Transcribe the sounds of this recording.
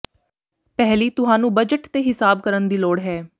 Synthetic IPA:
pɛɦliːt̪ʊɦãːnũːbəd͡ʒəʈt̪eːɦɪsaːb̚kəɾənd̪iːloːɽɦɛː

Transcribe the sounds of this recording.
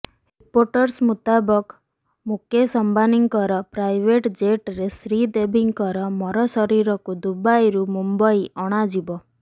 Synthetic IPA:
ɾipoɾʈɔɾsmut̪abɔk | mukʰjesɔmbaniŋɡkɔɾɔpɾajbeʈd͡ʒeʈɾesɾid̪ebʱiŋɡkɔɾɔmɔɾɔsɔɾiɾɔkud̪ubajɾumumbɔjʔɔɽ̃ad͡ʒibɔ

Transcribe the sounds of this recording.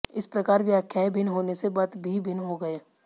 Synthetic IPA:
ɪspɾɐkaːɾʋjaːkʰjaẽbʱɪnɦoːnesebat̪bʱibʱɪnɦoɡɐeː

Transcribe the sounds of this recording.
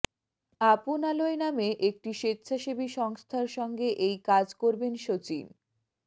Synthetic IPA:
apunaloenameʔek̚ʈiʃetːɕʰaʃebiʃɔŋst̪ʰaɾʃɔŋɡeʔejkad͡ʑkoɾbenʃot͡ɕḭn

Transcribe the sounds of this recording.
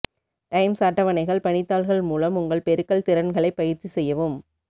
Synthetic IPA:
ʈɐɪmsaːʈːɐʋɐnɐɪɣɐɭpɐɳɪt̪ːaːlɣɐɭmuːlɐmʊŋɡɐɭpɛɾɯkːɐɭt̪ɪɾɐnɣɐɭɐɪpːɐɣɪɾt͡ʃːisɛjːɐʋɯm

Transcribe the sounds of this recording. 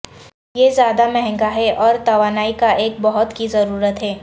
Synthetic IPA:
jezjaːd̪amɛɦɛ̃ŋɡaɦɛʔɔːɾt̪ɐʋaːnaːikaʔeːk̚bɐɦʊt̪kizɐɾuːɾət̪ɦɛː

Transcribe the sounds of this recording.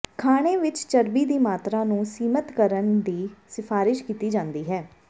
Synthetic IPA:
kʰaːɽ̃eːʋɪt͡ʃt͡ʃəɾbiːd̪iːmaːt̪ɾaːnũːsiːmət̪kəɾənd̪iːsɪpʰaːɾɪʃkiːt̪iːd͡ʒãːnd̪iːɦɛː

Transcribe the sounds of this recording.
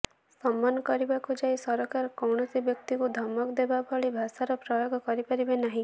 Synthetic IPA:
sɔmːanɔkɔɾibakud͡ʒajsɔɾɔkaɾɔkɔwɳɔsibjɔk̚t̪ikud̪ʱɔmɔkɔd̪ebabʱɔɭibʱasaɾɔpɾɔjoɡɔkɔɾipaɾibenaɦĩ

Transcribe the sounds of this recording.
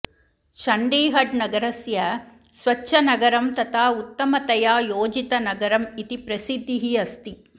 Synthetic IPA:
ʃɐɳɖiːɦɐɖnɐɡɐɾɐsjɐ | sʋɐt͡ʃːʃʰɐnɐɡɐɾɐmt̪ɐt̪ʰaːut̪ːɐmɐt̪ɐjaːjoːd͡ʒit̪ɐnɐɡɐɾɐmit̪ipɾɐsid̪ʱːiɦiɐst̪i

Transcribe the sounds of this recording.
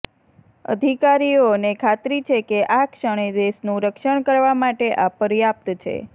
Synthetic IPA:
ə̰d̪ʱikaɾionekʰat̪ɾit͡ʃʰekeʔakʃəɽ̃ed̪eʃnũɾəkʃəɳ̃kəɾʋamaʈeʔapəɾjap̚t̪t͡ʃʰḛ

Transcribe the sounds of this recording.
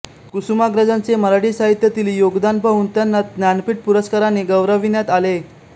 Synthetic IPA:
kusumaɡɾəd͡zant͡seməɾaɽiːsaɦit̪jət̪iliːjoɡd̪anbʱaɦuːnt̪janːat̪njanpiʈ̚puɾəskaɾaneɡəʋɾəʋinjat̪ale

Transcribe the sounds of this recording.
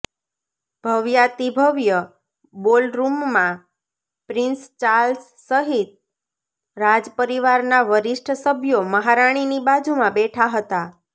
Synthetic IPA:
b̥ʱəʋjat̪ibʱəʋjə | bolɾumːã | pɾɪnst͡ʃaɾlsːəɦit̪̚ | ɾad͡ʒpəɾiʋaɾnaʋəɾɪʃʈʰəsəbʱjoməɦaɾaɽ̃inibad͡ʒumãbɛʈʰaɦət̪a

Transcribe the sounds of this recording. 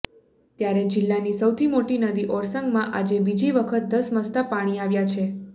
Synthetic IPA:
t̪jaɾed͡ʒɪlːanisəwt̪ʰimoʈinəd̪iʔɔɾsəŋɡmãʔad͡ʒebid͡ʒiʋəkʰət̪̚d̪əsməst̪apaɽ̃iaʋjat͡ʃʰe

